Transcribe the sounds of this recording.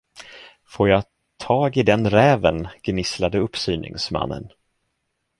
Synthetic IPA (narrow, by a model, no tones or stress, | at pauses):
foːɾjɑ | t̪ʰɑːɡɪd̪ɛnɾɛːvənɡ̥nɪslad̪əɵpːsyːnɪ̰ŋsma̰nːə̰n